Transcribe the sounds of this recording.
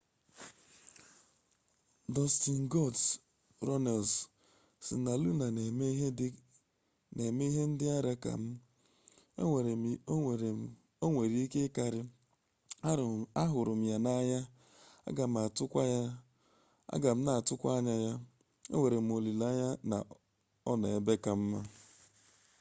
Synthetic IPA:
dɔ˨sti˨n̩˨ɡɔ˦ds | ɾɔ˦ne˨ls | sḭ˨na˨lu˦na˨˦ | ne˨me˦i˦ɦe˦n̩˦dɪ˦a˦ɾa˦ka̰˨m̩˦ | ḛ˦e˨ɾe˨˦˨ | o˦ŋʷe˨ɾi˦ke˦ka˨ɾɪ˦ | a˦ɾa˦ɦʊ˨ɾʊ˨m̩˦ja˨na˦ɲa˦ | a̰˦ɡa˨m̩˨a˨tʊ˦kʷa˦ja˦ | a̰˦ɡa˨m̩˦na˨tʊ˦kʷa˦ɲa˦ja˦ | ḛ˦ŋʷe˨ɾe˨m̩˦˨o˨li˨la˦ɲa˦na̰˨ | ɔ˦na˨e˨be˦ka˨m̩˦ma˦

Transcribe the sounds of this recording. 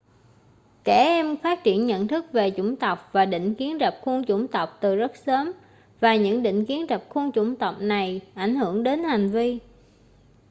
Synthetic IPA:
kɛ˧˩ʔɛ˧mfaː˦˥t̚t͡ɕḭ˧˩ənɲə̰˧˨nt̪ʰɨ˦˥k̚ve˨˩t͡ɕʊ˧˩ŋ͡mt̪ə˨˩wk͡p̚vaː˨˩ɗḭ̈˧˨ŋ̟ki˨˦ənzə˨˩p̚xu˧nt͡ɕʊ˧˩ŋ͡mt̪ə˨˩wk͡p̚t̪ɨ˨˩zə˦˥t̚səː˨˦m | vaː˨˩ɲɨ̰˧˥ŋɗḭ˧˨ŋ̟ki˨˦ənzə˨˩p̚xu˧ənt͡ɕʊ˧˥˩ŋ͡mt̪ə˨˩wk͡p̚na˨˩jʔa˧˩jŋ̟hɨ˧˩əŋɗe˨˦nha˨˩jŋ̟vi˧

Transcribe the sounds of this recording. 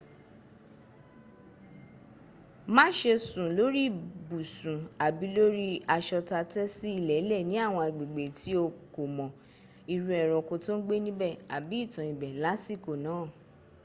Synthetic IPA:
mã˦ʃe˧sũ˨lo˨˦ɾi˦˨bu˨sũ˨a˨bi˨˦lo˦ɾi˦a˧ʃɔ˧ta˧tɛ˦si˦i˧lɛ˨˦lɛ˦˨nĩ˨˦a˦˨w̃ɔ̃˧˨ɡ͡be˨ɡ͡be˨ti˨˦o˧ko˨mɔ̃˨ | i˧ɾu˧˦ɛ˨ɾ̃ɔ̃˧ko˧to˦n̩˦ɡ͡be˦nĩ˦bɛ˦˨a˨bi˨˦i˦˨tã˨ĩ˨bɛ˨la˨˦si˦˨ko˨nãː˨˦˨

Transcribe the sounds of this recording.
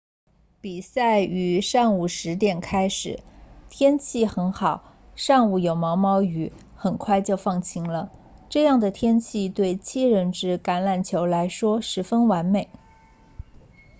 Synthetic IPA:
pi˨˩sa˥˩ɪy˧˥ʂɑ˥˩ŋu˨˩ʂɻ̩˧˥t̪jɛ˨˩nkʰa˥ɪʂɻ̩˨˩˦t̪ʰjɛ˥nt͡ɕʰi˥˩xə˧˥nxɑ˨˩˦ʊ | ʂɑ˥˧ŋu˨˩jo˨˩ʊmɑ˧˥ʊmɑ˥ʊy˧˩˦ | xə˨˩nkʰwa˥˧ɪt͡ɕjo˥˧ʊfɑ˥˩ŋt͡ɕʰi˧˥ŋlə˧ʈ͡ʂɤ˥˧jɑ˥˩ŋd̪ə˩t̪ʰjɛ˥nt͡ɕʰi˥˧t̪we˥˩ɪt͡ɕʰi˥˧ɻə˥˩nʈ͡ʂɻ̩˥ka˧˥nla˨˩nt͡ɕʰjo˧˥ʊla˧˥ɪʂwɔ˥ʂɻ̩˧˥fə˥nwa˧˥nme˨˩˦ɪ

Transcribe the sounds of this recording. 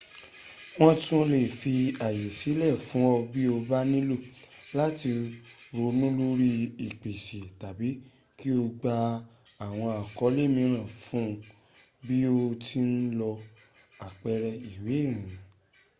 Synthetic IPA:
w̃ɔ̃˦tũ˦le˦˨fi˧a˨je˨si˨˦lɛ˦˨fũ˨˦ɔ˧bi˦o˧ba˦nĩ˦lu˦˨ | la˦ti˧ɾo˧nũ˦lo˦ɾi˦i˨k͡pe˨ʃe˨ta˨bi˨˦ | ki˦o˧ɡ͡ba˧ | a˨w̃ɔ̃˧a˨kɔ˨˦le˦mĩ˧ɾ̃ã˦˨fũ˦ | bi˦o˧tʰi˦n̩˦lɔ˧ | a˨k͡pɛ˧˦ɾɛ˧i˨we˨˦˨ɾ̃ĩ˨˦

